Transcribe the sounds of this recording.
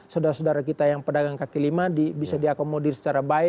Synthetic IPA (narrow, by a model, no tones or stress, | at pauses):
saudaɾasudaɾakit̪ajaŋpədaɡaŋkakilimadibisadiakomodirsə̥t͡ʃaɾabaɪ